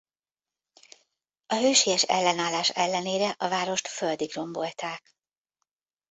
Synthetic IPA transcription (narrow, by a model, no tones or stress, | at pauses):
ɒɦøːʃijɛʃɛ̰lːɛnaːlːaːʃɛlːɛneːɾɛʔɒvaːɾo̞ʃt̪føld̪iɡro̞mbo̞lt̪aːk